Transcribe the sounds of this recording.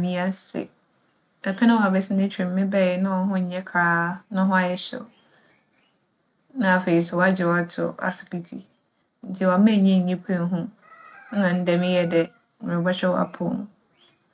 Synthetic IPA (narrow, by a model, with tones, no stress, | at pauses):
mĩ˦a˦sɪ̰˨ | da˨pʰɛ˦nʊ̃˦˨a˨bɛ˨sɪ˦nɪ̃˦t͡ɕʰᶣɾɪ̃˨mː˦ɪ̃˦bɛ˦˨ɪ˨nʊ̃˦ɔ˨ɦʊ̃˦ɲ˨ɲɛ̃˦kʰaː˦nʊ̃˦ɦʊ̃˦a˨jɛ˦ɕɛ̰˨ | nã˦a˨fe˨ɾi˨sɛ˨wa˦d͡ʑɪ˨wa˨tʰʊ̰˨a̰˨sɪ̥˨ki˨tʰḭ˨ | ɲ̩˦t͡ɕʰɪ˦wa˨mɛ̃˦˨ɲɛ̃˦˨ɲ˨ɲĩ˦pʰæ̃˦˨n˦ɦʊ̃˦ | nã˨n̩˦dɛ˨mɪ̃˦jɛ˦dɛ˨ | mʊ̃˨ɪ̃˨ba˦t͡ɕᶣɛ˦wa̰˨pʰʊ̰˦nʊ̰̃˨